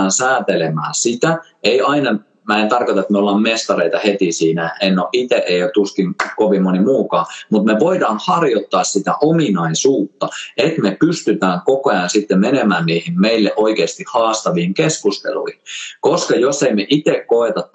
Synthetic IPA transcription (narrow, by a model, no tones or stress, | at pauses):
nsæːt̪elemæːsit̪æ | eiɑinɑ | mæent̪ɑrkot̪ɑet̪meolːɑːmmest̪ɑreit̪ɑhet̪isiːnæennoʔit̪eʔeijoˑt̪t̪uskiŋkoʋimmonimuːkɑːmut̪meʋoidɑːnhɑrjot̪ːɑːssit̪æ̰ʔominɑisuːt̪ːɑet̪mepyst̪yt̪æːŋkokojɑnsit̪ːemenemæːnniːhimmeilːeʔoikeːst̪ihhɑːst̪ɑʋiːŋkeskust̪ḛlṵihinkoskɑjosːeimeʔit̪ekkoet̪ɑt̪